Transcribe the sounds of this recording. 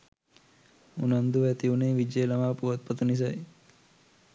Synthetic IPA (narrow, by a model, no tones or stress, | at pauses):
unand̪uʋet̪iuneʋid͡ʒelamapuət̪̚pət̪nis̬aj